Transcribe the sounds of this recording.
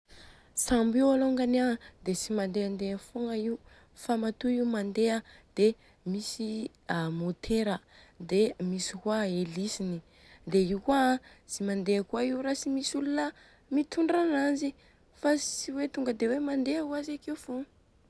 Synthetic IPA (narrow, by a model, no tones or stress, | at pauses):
sambiwaloŋɡanad̪esimand̪eand̪eəfoŋaiw | famat̪uiwmand̪eəd̪̥e | misi | amot̪ʰeɾə | d̪emisikwaelisini | d̪eiwkuazimand̪eakuaiwɾasimisulunə | mit̪uɳɖ͡ʐanazi | fasiwet̪uŋɡəd̪ewemand̪eauazakeufoŋ